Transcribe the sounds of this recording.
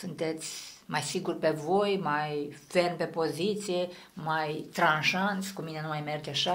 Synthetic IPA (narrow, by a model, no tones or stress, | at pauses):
sunt̪ɛt͡s̪ʲmajsiɡuɾpɛvojmajfɛrnpɛpozit̪siɛ | majt̪ɾãnʃanskuminɛnumajmɛɾt̪ʲaʃa